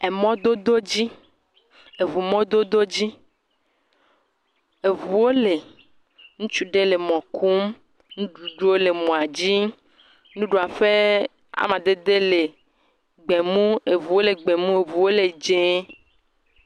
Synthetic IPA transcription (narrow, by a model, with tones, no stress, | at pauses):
e˨mɔ̃˦d̪o˦d̪o˦d͡ʑi˦ | e˨vu˨mɔ̃˦d̪o˦d̪o˦d͡ʑi˦ | e˨vu˨wo˦le˨ | ŋũ˦t͡ʃu˦ɖe˦le˨mɔ̃˨kʰu˦m | nũ˦ɖu˨ɖu˦wo˦le˨mɔ̃˨a˨d͡ʑi˦ | nũ˦ɖu˨a˨ɸe˦ | a̰˨mã˨d̪e˦d̪e˦le˨ | ɡ͡be˨mũ˦e˨vu˨wo˦le˨ɡ͡be˨mũ˦e˨vu˨wo˦le˨d͡ʒe˦